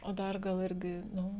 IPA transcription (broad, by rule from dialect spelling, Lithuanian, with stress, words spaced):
oː ˈdɐr ˈɡɐlˠ ˈɪrʲɡʲɪ ˈnʊ